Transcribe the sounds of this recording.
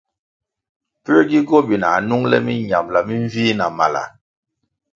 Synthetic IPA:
pə˦ɡi˦ɡɔ˦bi˨na˨nu˦ŋlɛ̰˦mi˦ɲa˨mla˨mi˦ɱ˦viː˦na˨ma˨la̰˨

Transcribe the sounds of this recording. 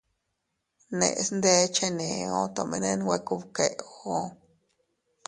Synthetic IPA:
nḛ̃˧˨ʔsnd̪e˦t͡ʃe˦nẽ˨õ˦t̪o˨mĩ˧nẽ˧nwʷe˧ku˦βke˨ʔo˧˦

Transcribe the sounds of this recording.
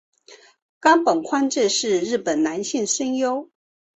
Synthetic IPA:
kɑ˥ŋpə˨˩ŋkʰwa˥˧nʈ͡ʂɻ̩˥˧ʂɻ̩˥˧ɻɻ̩˥˩pə˨˩nna˧˥nɕi˥˩ŋʂə˥ŋjo˥ʊ

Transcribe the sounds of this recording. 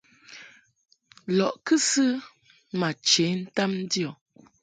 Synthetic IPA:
lɔ˨ʔkɨ˦sɨ˦ | ma˨t͡ʃe˨˦n̩˦ta˦mn̩˦djɔ˨

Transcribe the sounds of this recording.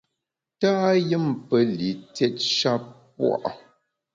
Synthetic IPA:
taː˦jɨ˦mpə˦li˨˦tɛ˦t̚ʃa˦pp̚wa̰˦˨ʔ

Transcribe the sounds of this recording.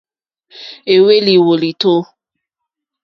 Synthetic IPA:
e˨we˦li˨wo˨li˨to˦

